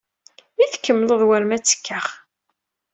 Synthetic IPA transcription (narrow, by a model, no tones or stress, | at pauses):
iθkːəmːləðˤwæɾmæt͡sːə̥kːaχ